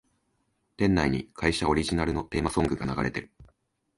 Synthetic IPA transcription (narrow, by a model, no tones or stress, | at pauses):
t̪ẽ̞nːaiɲ̟ikʰaiɕao̞ɾʲiʑinaɾɯ̟no̞t̪e̞ːmasõ̞ŋɡɯ̟ɡanaɡa̰ɾʔe̞t̪e̞̰ɾɯ̟